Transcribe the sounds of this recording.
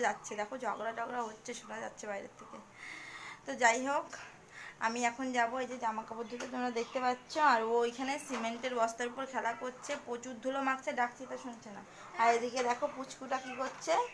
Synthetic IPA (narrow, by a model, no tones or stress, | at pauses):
d͡ʑatːɕʰed̪ɛkʰod͡ʑʱɔɡɾad͡ʑɔɡɾaɦotːɕʰeʃoʈad͡ʑa̰tːɕʰebajɾḛt̪ʰeke | t̪od͡ʑajɦok | a̰miɛkʰond͡ʑaboed͡ʑed͡ʑamakabod̪ʱːot̪et̪omɾad̪ekʰt̪epatːɕʰoaɾojkʰanesimeɳʈeɾbɔst̪aɾupoɾkʰɛlakot͡ɕʰepot͡ɕud̪ʱːulomakt͡ɕʰeɖak̚t̪ʰit̪aʃunt͡ɕʰena | aɾed̪iked̪ɛkʰoput͡ɕkuʈakikotːɕʰe